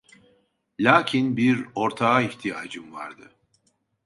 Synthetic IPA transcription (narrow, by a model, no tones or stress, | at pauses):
lʲaːcʰinbiɾo̞ɾt̪ʰaaiçt̪ʰijaːd͡ʒɯmva̰ɾd̪ɯ